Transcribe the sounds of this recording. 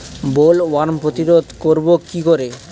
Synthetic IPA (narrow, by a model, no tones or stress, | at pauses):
bolwaɾmpɾot̪iɾod̪ʱkoɾbokikoɾe